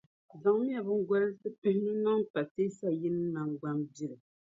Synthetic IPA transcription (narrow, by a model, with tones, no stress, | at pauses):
za˨ŋ˦mi˦a˨bɨ˦ŋ̩˦ɡɔ˦ɾɨ˦sɨ˦pɨ˦hnɨ˦nɔ˦ŋpa˨te˦sa˦ji˦nɨ˦na˨ŋɡ͡ba˦ŋbi˦ɾɨ˨